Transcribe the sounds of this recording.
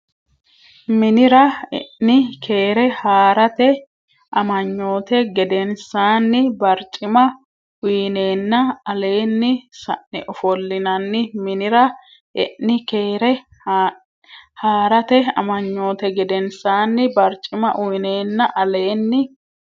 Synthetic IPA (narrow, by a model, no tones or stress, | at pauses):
mɪnɪɾɐɛ̰ʔːɪkʰe̞ːɾɛhaːɾɐt̪ɛ | ʔɐmɐɲːo̞ːt̪ɛɡɛd̪ɛnsaːnːɪbɐɾt͡ʃʼɪmɐ | ʊjne̞ːnːɐɐle̞ːnːɪsɐ̰ʔɪʔɔfɔlːɪnɐnːɪmɪnɪɾɐ | ɛ̰ʔːɪkeːɾɛ | haːɾɐt̪ɛɐ̰mɐɲːo̞ːt̪ɛɡɛd̪ɛnsaːnːɪbɐɾt͡ʃʼːɪmɐʔʊjneːnːɐʔɐle̞ːnːɪ